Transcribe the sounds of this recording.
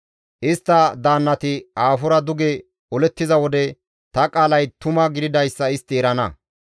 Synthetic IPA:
ʔɪst̪ːɐd̪aːnːɐt̪ɪaːfʊɾɐd̪ʊɡɛ | ɔlɛt̪ːɪzɐwɔd̪ɛ | t̪ɐkʼaːlɐjt̪ʊmɐɡɪd̪ɪd̪ɐjsːɐɪst̪ːɪɛɾɐnɐ̰

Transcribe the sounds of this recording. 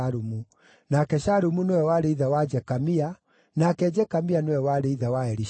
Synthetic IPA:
ɾumu | nakɛɕaɾumunewɛwaɾeiðawad͡ʒɛkamia | nakɛd͡ʒɛkamianewɛwaɾeiðawaɛɾi

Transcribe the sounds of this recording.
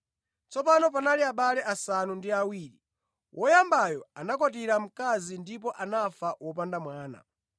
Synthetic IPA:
t͡sɔpanɔp̬analiaɓalɛʔasanundiawiːɾi | wʔɔjambajɔanakɔtiɾam̩kazindip̬ɔʔanafawɔp̬andamwaːna̰

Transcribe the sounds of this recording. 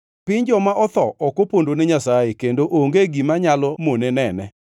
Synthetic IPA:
pɪɲd͡ʒɔmaʔɔt̪ɔʔɔkopondonɛɲasajekendoʔoŋɡeɡimaɲalɔmonenɛnɛ

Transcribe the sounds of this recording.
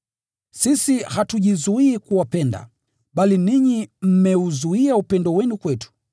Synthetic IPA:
sisihatuʄizuiːkuwapɛnda̰ | ɓaliniɲim̩mɛuzuiaupɛndɔwɛnukwɛtu̥

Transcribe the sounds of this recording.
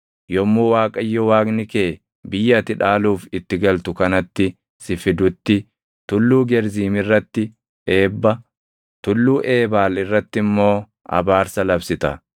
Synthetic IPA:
jɔmːuːwaːkʼɐjːɔwaːknɪkeː | bɪjːɐt̪ɪᶑaːluːfɪt̪ːɪɡɐlt̪ʊkɐnɐt̪ːɪ | sɪfɪd̪ʊt̪ːɪ | t̪ʊlːuːɡɛɾziːmɪrːɐt̪ːɪ | e̞ːbːɐ | t̪ʊlːuːʔe̞ːbaːlɪrːɐt̪ːɪmːo̞ː | ɐ̰baːɾsɐlɐbsɪt̪ɐ̰

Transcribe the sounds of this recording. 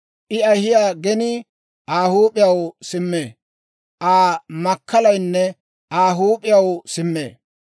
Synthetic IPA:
ʔɪɐjhɪjaːɡɛnɪ | ʔaːhuːpʼɪjɐwsɪmːeː | ʔaːmɐkʰːɐlɐjnːɛ | ʔaːɦuːpʼɪjɐwsɪmːḛː

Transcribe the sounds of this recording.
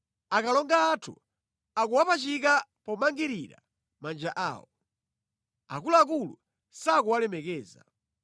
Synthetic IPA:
akalɔŋɡaːtʰṵ | akuwapat͡ʃik̬apɔmaŋɡiɾiɾa | mand͡ʒaʔa̰ːwɔ | a̰kulaak̬ulu | sak̬uwalɛmɛkɛːza̰

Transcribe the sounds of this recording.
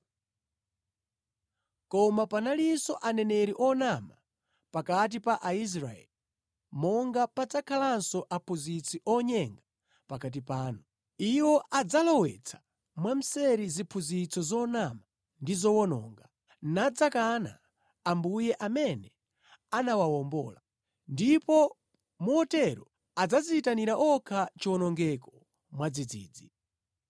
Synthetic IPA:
kɔmapanalisɔʔanɛnɛɾiʔɔnama | pakat̬ipaʔais̬ɾa̰ɛ̰li | mɔŋɡapad͡zakʰalansɔʔapʰuzit͡sʰiʔɔɲɛŋɡa | pakat̬ipaːnu | iwɔʔad͡zalɔwɛt͡sʰḁ | mwam̩sɛɾizipʰuzit͡sɔzɔnama | ndizɔwɔnɔ̰ːŋɡa | nad͡zakana̰ | ambujɛʔamɛnɛ | anawawɔmbɔ̰ːla | ndipɔ | muhɔtɛɾɔ | ad͡zazitaniɾaʔɔkʰat͡ʃɔnɔŋɡɛkɔ̥ | mwad͡zid͡ziːd͡zi

